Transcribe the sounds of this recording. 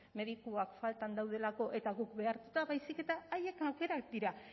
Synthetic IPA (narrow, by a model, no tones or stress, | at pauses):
me̞ðikuakfalt̪and̪awð̞e̞lako̞ʔe̞t̪aɣukbe̞aɾt̪ut̪aβajsike̞t̪aːje̞kawke̞ɾak̚d̪iɾa